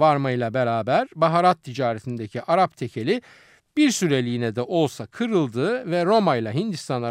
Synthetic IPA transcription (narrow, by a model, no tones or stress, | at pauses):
vaɾmajlˠabeɾaːbæɾbaɦaɾat̪ʰːid͡ʒaːɾet̪ʰind̪ecʰiʔaɾapt̪ʰe̞cʰe̞lʲi | biɾsyɾe̞lʲijːnɛd̪ɛʔo̞lˠsakʰɯɾɯlˠd̪ɯːvɛɾo̞majlˠaɦind̪ist̪ʰanlˠa